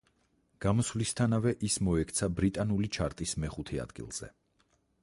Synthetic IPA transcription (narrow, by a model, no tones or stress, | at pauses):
ɡ̥amɔsvlist̪ʰanavɛʔismɔɛkʰt̪sʰabɾit̪ʼanulit͡ʃʰaɾt̪ʼismɛχut̪ʰɛa̰d̪̥ɡḭlˠz̥ɛ̰